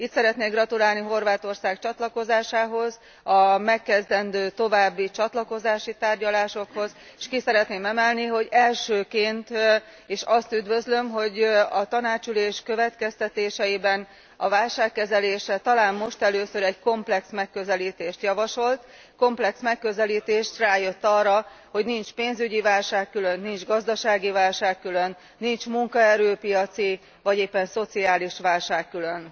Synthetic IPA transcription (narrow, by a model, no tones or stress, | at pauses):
it̪sɛɾɛt̪neːɡrɒt̪ulaːlniɦo̞rvaːt̪o̞rsaːkt͡ʃɒt̪lɒko̞zaːʃaːɦo̞z | ɒmɛkːɛzd̪ɛnd̪øːt̪o̞vaːbːit͡ʃɒt̪lɒko̞zaːʃit̪aːrɟɒlaːʃo̞kho̞z | eʃkisɛɾɛt̪neːmɛmɛlniɦo̞ɟɛlʃøːkeːnt̪ | eːʃɒst̪yd̪vø̞zlø̞mɦo̞ɟɒt̪ɒnaːt͡ʃyleːʃkøvɛt̪kɛst̪ɛt̪eːʃɛjibɛn | ɒ̰vaːlʃaːkːɛzɛleːʃɛt̪ɒlaːmːo̞ʃt̪ɛløːsøɾɛɟko̞mplɛksmɛkːø̞zɛliːt̪eːʃt̪jɒvɒʃo̞lt̪ | ko̞mplɛksmɛkːø̞zɛliːt̪eːʃt̪raːjø̞t̪ːɒrːɒ | ho̞ɟnint͡ʃpeːnzyɟivaːlʃaːkːylø̞nːind͡ʒɡɒzd̪ɒʃaːɡivaːlʃaːkːylø̞nːint͡ʃmuŋkɒɛɾøːpijɒt̪si | vɒɟeːpːɛnso̞t̪siaːliʃʋaːlʃaːkːyløn